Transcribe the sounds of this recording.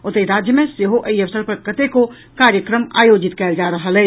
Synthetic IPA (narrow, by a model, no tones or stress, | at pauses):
ot̪əiɾad͡ʒjəmẽseɦoʔəjəsəɾpəɾkət̪eko | kaɾjəkɾəma̰jod͡ʒit̪kɛɪld͡ʒaɾəɦəlɛ